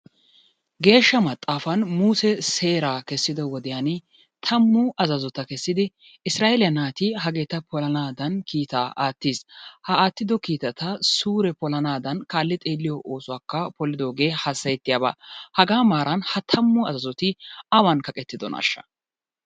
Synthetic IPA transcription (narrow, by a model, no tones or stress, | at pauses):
ɡe̞ːʃːɐmɐt̪ʼːaːfɐnmuːsɛse̞ːɾaːkɛsːɪd̪ɔwɔd̪ɪjanɪ | t̪ʰɐmːʊʔɐzɐzɔt̪ːɐkɛsːɪd̪ɪ | ɪsɾaːʔelɪjɐnaːt̪iɦɐɡe̞ːt̪ɐpɔlɐnaːd̪ɐnkiːt̪aːʔaːt̪ːiːshɐaːt̪ːɪd̪ɔkiːt̪ɐt̪ɐsuːɾɛpɔlɐnaːd̪ɐnkaːlːɪt̪ʼeːlːɪjɔʔo̞ːsʊwaːkːɐpɔlɪd̪o̞ːɡe̞ːhɐsːɐjɛt̪ːɪjaba̰hɐɡaːmaːɾʔɐnhɐt̪ʰɐmːʊɐzɐzɔt̪ɪɐwɐnkɐkʼɛt̪ːɪd̪ɔna̰ːʃːɐ̥̰